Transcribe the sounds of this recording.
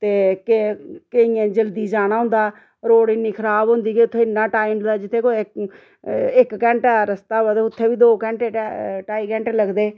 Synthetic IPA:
t̪eːkekeĩːẽːd͡ʒəld̪iːd͡ʒaːɽ̃ãːɦʊ̃nd̪aː | ɾoːɽɪnːiːkʰəɾaːbɦʊ̃nd̪iːkːʊt̪ʰːeːɪnːãːʈaːimd̪aːd͡ʒɪt̪ʰːeːkoːɪk | ɪkkɛ̃ːɳʈɛːɾəst̪aːəd̪ʊt̪ʰːeːʋiːd̪oːkɛ̃ːɳʈeːʈaːiːkɛ̃ːɳʈləɡd̪eː

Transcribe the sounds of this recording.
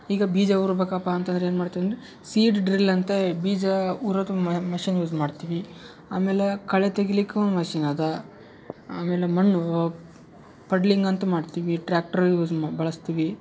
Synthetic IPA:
iːɡɐbiːd͡ʒɐuːɾbɐkapaːnt̪ɐnd̪ɾeeːnmaːɖt̪iɐnd̪ɾe | siːɖɖɾilɐnt̪ebiːd͡ʒɐuːɾɐt̪umɐʃinjuːd͡ʒmaːɖt̪iʋi | aːmeːlekɐɭet̪ɐɡilikːeond̪mɐʃiːnaːd̪ɐ | aːmeːlemɐnːu | pɐɖliŋɡɐnt̪ɐmaːɖt̪iːʋiʈɾaːk̚ʈɐɾjuːd͡ʒbɐɭɐst̪iːʋi

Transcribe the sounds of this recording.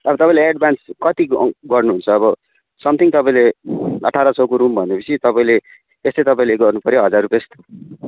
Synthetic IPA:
ʌbʌt̪ʌpãĩleeɖbanskʌt̪iɡʌrnuɦunt͡sʰʌːbʌ | sʌmt̪ʰiŋt̪ʌpaĩleʌʈʰaɾʌt͡sʰʌkuɾumbʱʌnepʌt͡sʰit̪ʌpaĩle | est̪ʌjt̪ʌpaĩleɡʌrnupʌɾjoɦʌd͡zarupjest̪

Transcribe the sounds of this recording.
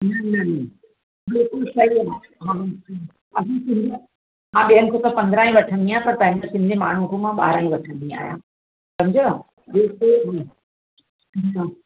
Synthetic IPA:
nɐnɐnɐ | bɪlkʊlsɐiaː | ɦãɪk | ɐsĩsɪ̃nd̪e | ɦãːɓiənɪ̆kʰot̪ɐpɐ̃nd̪ɾaːĩʋɐʈʰə̃nd̪ĩaːɦpɐɾt̪ɐ̃ɦɪ̃ndasɪ̃nd̪ʱemaːɳ̤ũkʰomãɓa̰ːɾaːɦĩʋɐʈʰə̃nd̪ĩa̰ːɦjã̰ː | sɐmd͡ʑo | bɪlkʊl | a

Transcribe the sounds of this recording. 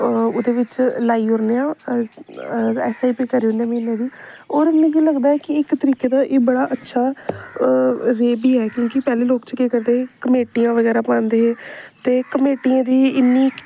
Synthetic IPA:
ʊd̪eːʋɪt͡ʃlaːiːɦʊɾneːãː | ɛ̰ːsaːiːpikəɾiːoːneaːmiːlãːd̪iːoːɾɪnːeːkiləɡd̪aːɛːkɪɪkt̪əɾiːkeːd̪aːʔeːbəɽaːʔətːʃʰaː | ɾeːbiːɦɛːkjõːkɪpɛːleːloːkt͡ʃkeːkəɾd̪eːɛkəmeːʈijãːʋəɡɛːɾaːpãːnd̪eːɦɛːt̪eːkəmeːʈijãːd̪iːɪnːiː

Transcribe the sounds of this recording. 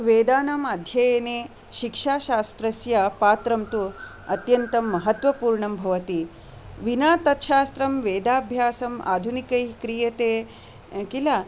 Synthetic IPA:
ʋeːd̪aːnɐmɐd̪ʱjɐjɐneː | ʃikʂaːʃaːst̪ɾɐsjɐpaːt̪ɾɐmt̪u | ɐt̪jɐnt̪ɐmːɐɦɐt̪ʋɐpuːɾɳɐmbʱɐʋɐt̪i | ʋinaːt̪ɐt̪ʃaːst̪ɾɐmʋeːd̪aːbʱjaːsɐma̰ːd̪ʱunikɐjkɾijɐt̪eː | kila

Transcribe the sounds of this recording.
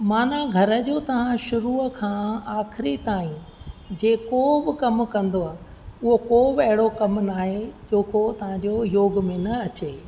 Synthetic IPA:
maːnaɡʱɐɾə̆d͡ʑoːt̪ɐʋ̤ãʃʊɾuːkʰãːaːxɪɾit̪aːĩ | d͡ʑeːkobɪkɐmkɐ̃nd̪oaː | ʊɦokoːbɪɐɦɪɽokɐmnaːɦed͡ʑoːkot̪ɐʋ̤ãɲd͡ʑoːjoːɡmẽnɐɐt͡ɕeː

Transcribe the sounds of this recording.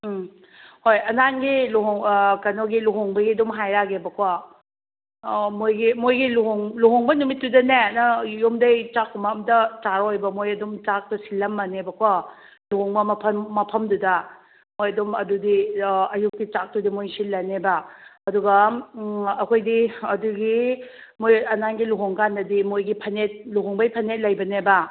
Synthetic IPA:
hojɐnanɡiluɦoŋkɐnoɡiluɦoŋbɐɡiɐdumɦajɾaɡebɐkʰwa | mojɡimojɡiluɦoŋluɦoŋbɐnumit̚ːdudɐnenɐjomdɐjt͡ʃakʰːumaːmdɐt͡ʃaɾojbɐmojɐdumt͡ʃak̚tɐsilːɐmːɐnebɐkʰwa | luɦoŋbɐmɐpʰɐmːɐpʰɐmdudɐ | mojɐdumɐdudiɐjuk̚ːit͡ʃak̚dudimojsillɐnebɐɐduɡɐ | ɐkʰojdiɐduɡi | mojɐnaŋɡiluɦoŋkandɐdimojɡipʰɐnet̚luɦoŋbɐjpʰɐnet̚lɐjbɐnebɐ

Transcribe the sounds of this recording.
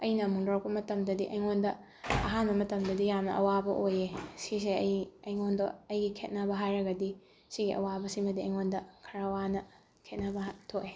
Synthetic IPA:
ɐjnɐmuŋdawk̚pɐmɐtɐmdɐdiʔɐjŋondɐ | ɐɦanbɐmɐtɐmdɐdijamnɐ̰ɐwabɐʔojesiseɐjɐjŋondoɐjɡikʰet̚nɐbɐɦajɾɐɡɐdi | siɡiʔɐ̰wabɐsimɐdiɐ̰jŋondɐkʰɐɾawanɐ | kʰet̚nɐbɐtʰok̚e

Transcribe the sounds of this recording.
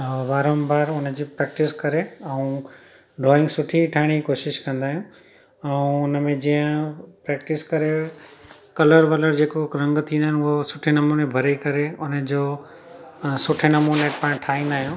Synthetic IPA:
ʋaːɾə̃mbaːɾʊnəd͡ʑiːpɾɛːk̚ʈɪskɐɾeɛũ | ɖɾɔːɪ̃ŋɡsʊʈʰiʈʰaːɦɪɽ̃id͡ʑikoːʃɪʃkɐ̃nd̪aːɦijũ | ɛ̃ũʊnəmẽd͡ʑijə̃pɾɛːk̚ʈɪskɐɾe | kɐləɾʋɐləɾd͡ʑeːkoɾɐ̃ŋɡt̪ʰĩːnd̪aːɪnʊɦosʊʈʰenɐmunẽbʱɐɾekɐɾeʊnəd͡ʑoː | sʊʈʰenɐmunepãːɪ̃ʈʰaːĩnd̪aːɦijũː

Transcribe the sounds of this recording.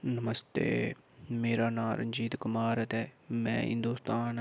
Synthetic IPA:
nəməst̪ḛː | meːɾaːnaːɾə̰nd͡ʒiːt̪kʊmaːɾət̪eːmɛ̃ːɦɪ̰̃nd̪uːst̪aːn

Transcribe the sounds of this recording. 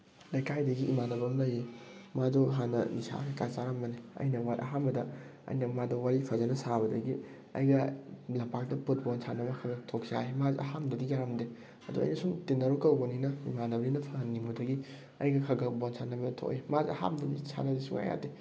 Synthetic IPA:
lɐjkajdɐɡiʔimanɐbɾɐmlɐjimadoɦanɐnisa̰kikat͡ʃaɾɐmbɐniɐ̰jnɐwalʔɐɦambɐdɐɐ̰jnɐmadowaɾipʰɐzɐnɐsaβɐdɐɡi | ɐ̰jɡɐlɐpak̚dɐput̚bɔnsʰanɐbɐkʰɐɡɐtʰok̚saimaziɐ̰ɦamdɐdijaɾamde | ɐduɐ̰jnɐsumtenːɐɾukɐwɡɐninɐimanɐbɾinɐpʰɐhɐnːimudɐɡi | ɐjɡɐkʰɐɡɐbonsʰanːɐbɐdɐtʰo̰kimaziɐha̰mdɐnisʰa̰nɐdisuŋa̰ja̰te

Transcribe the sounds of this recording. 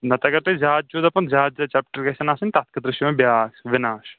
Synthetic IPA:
nɐt̪ɐkɐɾt̪ezaːt̪̚t͡ʃoːd̪ɐpɐnzaːd̪̚d͡ʒɐt͡ʃaːp̚ʈɐɾkɐsɐnaːsɐnʲt̪at̪̚kɐd̪ɾɪʃjɐmɐ̃bjaːsʋɪnaːʃ

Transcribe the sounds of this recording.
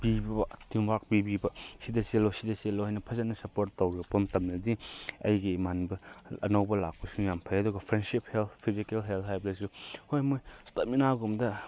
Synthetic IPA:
b̥ibbɐtimwak̚bibibɐsidɐselːosidɐselohajnɐpʰɐzɐnɐsɐpoɾtːowɾɐpɐmtɐmlɐdiɐ̰jɡimanbɐɐ̰nɐwbɐla̰k̚pusuŋjampʰajɐduɡɐpʰɾensip̚helt̪ʰpʰizikelɦeltɦajbɐlɐs̬uhojmojstɐt̚minaɡumdɐ

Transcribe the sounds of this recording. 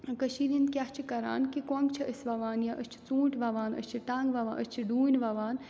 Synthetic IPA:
kəʃiːɾind̪kʲjaht͡ʃʰikɐɾa̰ːnkikoŋɡt͡ʃʰiəsʋɐʋaːnjaʔəst͡ʃʰi̥t͡sũːʈʰʋɐʋaːnə̰st͡ʃʰiʈãːŋɡʋɐʋaːʔəst͡ʃʰiɖuːnʋɐʋaːn

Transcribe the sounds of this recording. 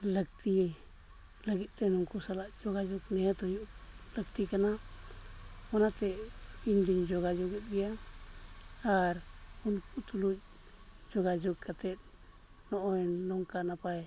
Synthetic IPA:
ləkt̪i | laɡit̪enuŋkusalad͡ʒoɡad͡ʒuknet̪ojuləkt̪ikana | wanat̪eind̪iɲd͡ʒoɡad͡ʒuɡit̪̚d̪ia | aɾunkut̪ulu | d͡ʒoɡad͡ʒukːat̪e | nooinːoŋkanapaj

